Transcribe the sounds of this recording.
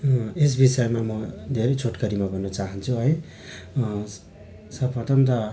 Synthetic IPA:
es̬bisajmamʌd̪ʱeɾʌjt͡sʰoʈkʌɾimabʱʌnːʌt͡saɦʌnt͡sʰuɦʌj | sʌbʌt̪ʌnt̪ʌ

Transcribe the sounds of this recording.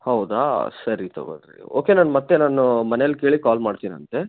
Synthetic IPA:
hɐwd̪a̰ːsɐɾit̪ɐ̰ɡo̰d̪ɾḭo̰ːke̞naːnmɐt̪ːe̞naːnumɐneɐlːke̞ːɭikaːlmaːɖt̪iːnɐ̰nt̪e̞

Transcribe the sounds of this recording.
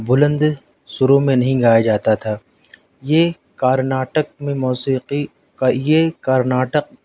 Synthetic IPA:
bʊlə̃nd̪ | ʃʊɾõmẽnɐɦĩɡaːjad͡ʒaːt̪at̪ʰaː | je | kaːɾnaːʈək̚mẽmuːsiːqi | kajekaɾnaːʈəq̚

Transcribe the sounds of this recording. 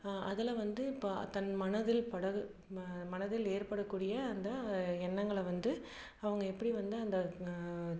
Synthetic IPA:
ʔɐ̰ðɪlɛʋɐnd̪ɯpːt̪ɐnmɐnɐðɪlpɐɽɐɣɯ | mɐnɐðɪleːɾpɐɽɐkːuːɽɪjɐːnd̪ɐɛnːɐŋɡɐɭʋɐnd̪ɯ | ɐʋɐŋɡɐɛpːɐɽiʋɐnd̪ɯɐnd̪ɐ

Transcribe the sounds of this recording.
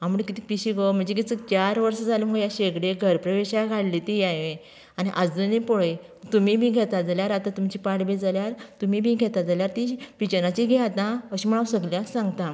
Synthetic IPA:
am̤uɽkit̪ipiɕiɡom̤əɳd͡zek̬it͡səkt͡ɕaɾʋəɾsəd͡zʱaləməɡjaɕeɡɽeɡʱəɾpɾəʋeɕaɡʱaɽlit̪ijaɦe | añiʔad͡zd͡zənipoɭe | t̪umibʱiɡʱɛt̪ad͡zaljaɾat̪at̪umt͡ɕipaɽbed͡zaljaɾt̪umiːbʱĩɡʱɛt̪ad͡zaljaɾt̪iɕpit͡ɕənãt͡ɕiɡʱeat̪ãəɕim̤əɭ̃aʋsəɡljasãŋɡt̪ã

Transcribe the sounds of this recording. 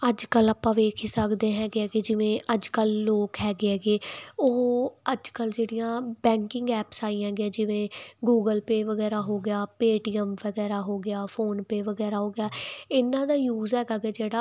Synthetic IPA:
əd͡ʒkəlːaːpãːʋeːkʰiːsəkd̪ẽːɦɛːɡɛːɡeːd͡ʒɪʋẽːʔəd͡ʒkəlːoːkɦɛːɡeɦɛːɡeːʊəd͡ʒkəld͡ʒeːɽijãːbɛ̃ːŋkɪŋɡɛːpsaːiːãɛ̃ːɡɪjãːd͡ʒɪʋẽːɡuːɡəlpeːʋəɡɛːɾaːɦoːɡɪjaːpeːʈiːəmʋəɡɛːɾaːɦoːɡɪjaːpʰoːnpeːʋəɡɛːɾaːɦoːɡɪjaːɪnãːd̪aːjuːzɦɛːɡaːɡeːd͡ʒeːɽaː

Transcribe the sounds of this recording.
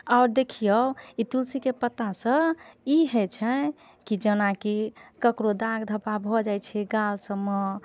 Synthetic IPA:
aʊɾd̪ekʰijəit̪ulsikepət̪asə̃iɦɛt͡ʃʰɛ | kid͡ʒənakikəkɾod̪aɡd̪ʱəpabʱɔd͡ʒajt͡ʃʰɛɡalsəmɔ

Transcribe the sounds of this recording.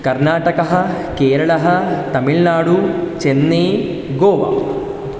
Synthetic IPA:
kɐɾnaːʈɐkɐɦɐ | keːɾɐɭɐɦɐt̪ɐmiɭnaːɽut͡ʃenːeː | ɡoːʋa̰

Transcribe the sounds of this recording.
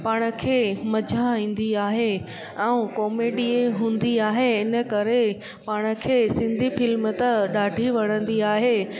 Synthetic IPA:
paːɽ̃ə̆kʰeːmɐd͡ʑʱaĩːn̆d̪iaːɦe | ɛũkɔːmeːɖiɦũːn̆d̪iaːɦeɪnə̆kɐɾe | paːɽ̃ə̆kʰeːsɪ̃nd̪ʱifɪlmt̪əɗaːɖʱiʋɐɽ̃ə̃nd̪iaːɦeː

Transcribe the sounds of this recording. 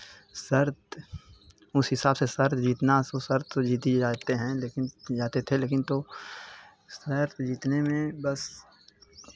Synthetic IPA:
səɾt̪̚ | ʊsɦɪsaːbsesəɾt̪d͡ʒiːt̪nasosɐɾt̪d͡ʒiːt̪id͡ʒaːt̪eɦɛ̃leːkɪnd͡ʒaːt̪et̪ʰeleːkɪnt̪o | səɾt̪d͡ʒiːt̪nemẽbɐs

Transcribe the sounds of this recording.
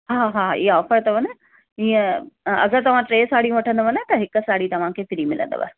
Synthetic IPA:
ɦaːɦaːḭːɔːfəɾt̪ɐʋɐnə | iːẽɐ̰ɡəɾt̪ɐʋ̤ãʈɾeːsaːɽijũʋɐʈʰə̃nd̪oʋɐnət̪ɐɦɪksaːɽit̪ɐʋ̤ãkʰeːt̪ɪɾimɪlə̰̃nd̪o̰ʋɐ̰ɦ

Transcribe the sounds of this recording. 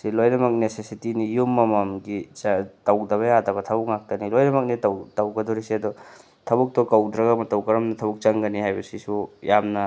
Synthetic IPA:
silojnɐmɐk̚nesesitinijumːɐmɐmɡitɐwdɐβɐjadɐbɐtʰɐbuk̚ŋak̚tɐnilojnɐmɐk̚nitwtɐwɡɐdɔɾiseɐd̪ɔ | tʰɐbuk̚tɔkɐwdɾɐɡamɐtɐwkɐɾɐmnɐtʰɐbuk̚t͡ʃɐŋɡɐniɦajbɐsisujamnɐ

